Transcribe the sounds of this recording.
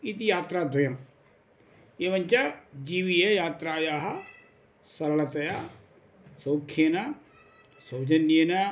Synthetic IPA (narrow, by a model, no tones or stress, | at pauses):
it̪ijaːt̪ɾaːd̪ʊjɐm | eːʋənʲt͡ʃad͡ʒiːʋiejaːt̪ɾaːjaːɦa | səɾlət̪ɐja | soːkʰːena | sod͡ʒəniena